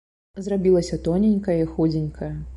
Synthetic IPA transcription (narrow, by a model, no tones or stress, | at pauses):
zrabʲilˠɐsʲɐt̪ɔnʲenʲkɐjɐixud͡zʲenʲkʰɐjɐ